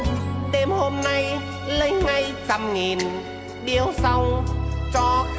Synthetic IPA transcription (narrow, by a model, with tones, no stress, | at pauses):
ɗe˧mho˧mna˧j | lə˧jŋa˧jt͡ɕa˧mŋi˨˩n | ɓi˧əwsa˧wt͡ɕɔ˧